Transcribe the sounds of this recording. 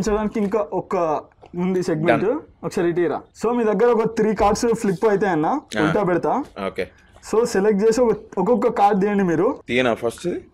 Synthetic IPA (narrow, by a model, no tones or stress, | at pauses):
nsɐɾaːnkiŋkɐʔɔkːɐmund̪iseɡmeɳʈokːɐsɐɾiʈ̬iːɾa̰soːmiːd̪ɐɡːɐɾeokːɐt̪ɾiːkaːɾɖsflipːaːjt̪eɐnːɐuɽʈ̪aːbeɽt̪ao̰kḛ | soːselekʈ̚d͡ʒeːsoɐɔkːokːɐkaːɾʈd̪eːɳimiːɾut̪inapʰɐsʈ